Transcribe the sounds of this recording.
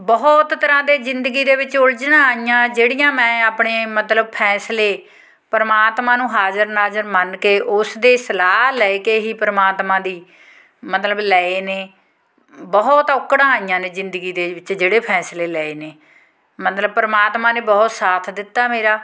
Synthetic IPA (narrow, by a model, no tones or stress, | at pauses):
bɔːt̪t̪əɾãːd̪eːzɪnd̪əɡiːd̪eːʋɪt͡ʃʊld͡ʒnãːaːijãːd͡ʒeːɽijãːmɛ̃ːaːpɳeːmət̪ləb̚pʰɛːsleː | pəɾəmaːt̪mãːnũːɦaːzəɾnaːzəɾmənkeːʔʊsd̪eːsəlaːlɛːeːkeːɦiːpəɾəmaːt̪mãːd̪iː | mət̪ləblɛːeːneː | bɔːt̪ʊkːɽãːaːijãːneːzɪnd̪əɡiːd̪eːʋɪt͡ʃd͡ʒeːɽeːpʰɛːsleːlɛːeːneː | mət̪ləb̚pəɾəmaːt̪maːneːbɔːt̪saːt̪ʰd̪ɪt̪ːaːmeːɾaː